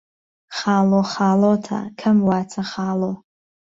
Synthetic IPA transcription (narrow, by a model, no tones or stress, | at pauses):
χaːloχaːlotʰa̰kʰɨmwat͡sʰaχaːlo